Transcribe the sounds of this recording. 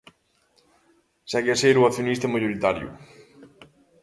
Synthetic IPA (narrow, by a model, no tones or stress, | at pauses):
sakeaseɾwaθjonist̪amaʝoɾit̪aɾjṵ